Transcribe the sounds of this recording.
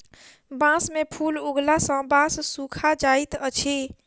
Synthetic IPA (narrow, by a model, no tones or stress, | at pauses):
bãsmepʰuːluɡlasə̃bãsːukʰad͡ʒait̪ət͡ʃʰe